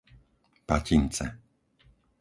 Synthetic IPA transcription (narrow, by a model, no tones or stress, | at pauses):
pacint͡sɛ̰